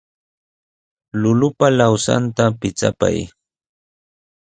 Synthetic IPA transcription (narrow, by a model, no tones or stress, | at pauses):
lʊlʊpalawsa̰nt̪apɪt͡sa̰pa̰j